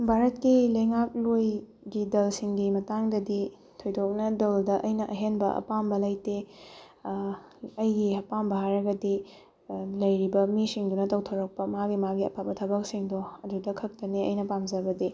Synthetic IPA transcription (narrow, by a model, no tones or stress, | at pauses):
bʱaɾɐt̚kilɐjŋak̚loj | ɡidɐlsiŋɡimɐtaŋdɐdi | tʰojdok̚nɐdɐldɐʔɐjnɐʔɐɦenbɐ̰ʔɐ̰pambɐlɐjte | ɐjɡihɐpambɐɦaɾɐɡɐdi | lɐjɾibɐmisiŋdunɐtɐwtʰɐwɾɐk̚pɐmaɡimaɡiɐ̰pʰap̚bɐtʰɐbɐk̚siŋdoɐdudɐkʰɐk̚tɐniɐ̰jnɐpamzɐbɐdi